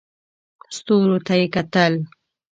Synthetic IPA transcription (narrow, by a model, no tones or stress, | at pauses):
st̪oɾot̪ajekat̪əl